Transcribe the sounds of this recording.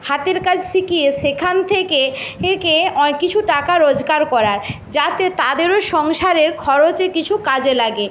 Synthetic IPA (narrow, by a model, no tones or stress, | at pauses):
hat̪eɾkat͡ɕʰsʰikieʃekʰant̪ʰekeekeɔkːit͡ɕʰuʈakaɾod͡ʑɡaɾkɔɾaɾ | d͡ʑat̪et̪ad̪eɾoʃɔŋʃaɾeɾkʰɔɾot͡ɕekit͡ɕʰukad͡ʑelaɡe